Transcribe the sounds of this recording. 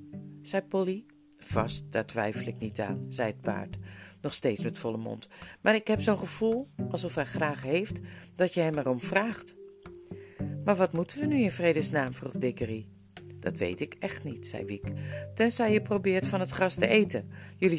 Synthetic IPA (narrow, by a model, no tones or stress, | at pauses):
z̥ɛjpɔli | v̥ɑ̰st̚d̥atʋɛ̰jfəlɪknita̰ːnz̥ɛjət̚pa̰ːɹtnɔχsteːtsmɛtfɔləmɔ̰ntmaːɹɪkhɛpsoːnχəv̥ulˠʔɑlˠsɔfhɛjχraːχɦejftd̥ɑtjəɦɛmɛrɔmvraːχt | maːɹʋɑtmutənʋənyɪnvrejdəsnaːmfruχdɪkəri | d̥ɑtʋḛjtɪkɛχtnitsɛ̰jʋiktɛnzɛjjəprowbɪːɹtfɑnətχrɑstəejtəjɵli